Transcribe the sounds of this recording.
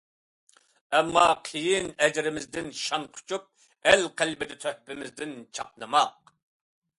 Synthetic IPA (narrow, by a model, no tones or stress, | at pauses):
ɛmːɑqʰijinɛd͡ʒɾɪmɪzd̪ɪnʃɑnqʰʊ̥t͡ʃʰup̚ | ælqʰælbɪd̪ɪt̪ʰøhpɪmɪzd̪ɪnt͡ʃʰɑq̚nɨmɑq̚